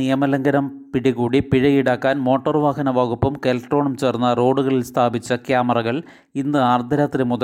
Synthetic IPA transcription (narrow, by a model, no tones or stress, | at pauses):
ijɐmɐlɐŋɡɐɾɐmpiɽiɣuːɽipiɻɐjiɽaːkːaːnmo̞ːʈːɐrʋaːɦɐnɐʋaːɣupːɐmkelɐkʈro̞ːɳɐmt͡ɕeːrnːɐro̞ːɽuɣɐɭilst̪ʰaːbit͡ɕːɐkjaːmɐrɐɣɐɭ | inːɨaːrd̪ʱɐɾaːt̪ːɾimuðɐ